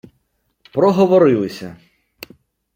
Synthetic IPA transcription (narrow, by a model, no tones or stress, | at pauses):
pɾɔɦɔʋɔɾɪlˠɪsʲɐ